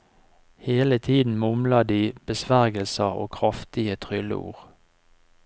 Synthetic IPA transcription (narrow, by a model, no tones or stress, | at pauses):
heːlət̪ʰiːd̪n̩mʊmlɑd̪iːb̥əsʋæʁɡəlsəo̰ːkʰʁɑft̪ɪət̪ʰʁʏlə̰ṵːʁ